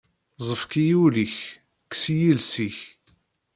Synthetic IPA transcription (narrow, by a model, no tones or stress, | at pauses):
zˤəfkijuliç | ksijilsiç